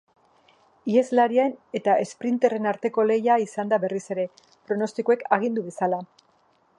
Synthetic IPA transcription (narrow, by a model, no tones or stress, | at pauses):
ie̞zlaɾiaene̞t̪ae̞spɾint̪e̞re̞naɾt̪e̞ko̞le̞jaisand̪aβe̞rise̞ɾe̞ | pɾo̞no̞st̪ikoe̞kʰaɣ̞ind̪uβe̞sala